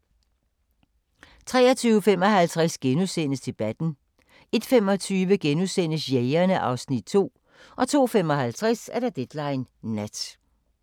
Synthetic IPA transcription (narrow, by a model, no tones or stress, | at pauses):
t͡sʰʁɛ̰ːɐt͡sʰyːʊəfem̰ɒ̽ɦælt͡sʰʁɛsɡ̥enusenəsd̥e̝b̥æd̥n̩ | e̝d̥fem̰ɒ̽t͡sʰyːʋəɡ̥enusenəsjeɪɐnəʔɑ̈ʊsnid̥̚t͡sʰo̝̰ː | ʔɒ̽t͡sʰo̝̰ːfem̰ɒ̽hælt͡sʰʁɛsæɐd̥ɑd̥ed̥lɑ̈ɪnːæd̥